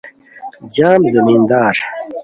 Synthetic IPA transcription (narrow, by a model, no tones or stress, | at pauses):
d͡ʑaːmzɐmiːnd̪aːɾ